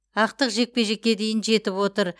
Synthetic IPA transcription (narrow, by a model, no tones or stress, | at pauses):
ɑq̚t̪əqʒe̞k̚pe̞ʒe̞kʲːe̞d̪e̞jɪnʒe̞t̪ɪpwo̞t̪əɾ